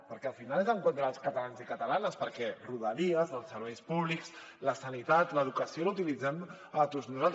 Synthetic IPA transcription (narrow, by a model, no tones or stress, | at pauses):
pəɾkɛəlˠfinalɛzəŋkwont̪ɾaːlˠskət̪alanzikət̪əlanəspəɾkɛruðəɾiəzðəlˠsːəɾβɛjspuβliks | ləsənit̪at̪ləðukəsiolut̪ilid͡zɛm | ət̪oznuzalˠt̪